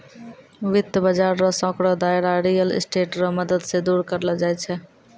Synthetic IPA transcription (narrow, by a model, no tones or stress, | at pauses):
ʋit̪ːəbəd͡ʒaɾɾɔsɔ̃kɾɔd̪ajɾaɾijəl̰sʈeʈɾɔməd̪əd̪sed̪uɾkəɾld͡ʒajt͡ʃʰɛ